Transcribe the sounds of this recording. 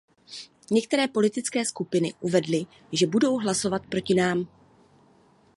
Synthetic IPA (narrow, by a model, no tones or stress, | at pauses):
ɲɛk̚t̪ɛɾɛːpo̞lɪt̪ɪt͡skɛːskupɪnɪʔuvɛdlɪ | ʒɛbudo̞wɦlaso̞vat̪̚pɾo̞cɪnaːm